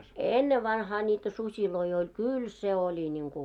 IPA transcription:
enːeʋːɑnhɑː nʲiːtæ susʲiloi olʲ kyl se olʲi nʲiŋku

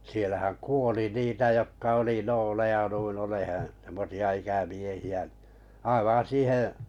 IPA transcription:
sielæhæŋ kuoli niːtæ jokːɑ oli noːlejɑ nuin olehẽː semːosiɑ ikæmiehiæ ɑiʋɑ̃ː siːhẽˑ

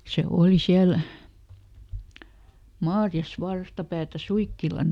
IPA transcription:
se oːli siæl mɑːrjɑs ʋɑrstɑpæːtæ suikːilɑn

